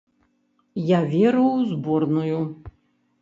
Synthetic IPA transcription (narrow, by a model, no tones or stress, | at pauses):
javʲɛɾɐwzbɔrnuju